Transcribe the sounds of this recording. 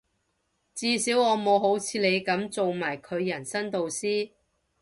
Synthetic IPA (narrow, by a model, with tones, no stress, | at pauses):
t͡siː˧siː˨˥wɔː˨˧mo˨˧wɦo˨˥wt͡sʰiː˨˧le˨˧jkɐ˨˥mt͡so˨wmaː˨˩jkʰɵ˨˧ɥjɐ˨˩nsɐ˥nt̪o˨wsiː˥